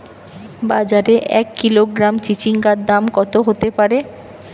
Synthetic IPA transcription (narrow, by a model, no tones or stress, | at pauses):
bad͡ʑaɾeʔɛ̰kːiloɡɾamt͡ɕit͡ɕiŋɡad̪amkɔt̪oɦot̪epaɾe